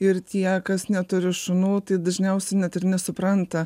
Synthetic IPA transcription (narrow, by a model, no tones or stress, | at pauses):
ɪɾt̪ʲiɛkɐsnʲɛt̪ʊɾʲɪʃʊnoːt̪ɐɪd̪ɐʒʲnʲɛʊsʲɛnʲɛt̪ɪrnʲɛsʊpɾɐnt̪ɐ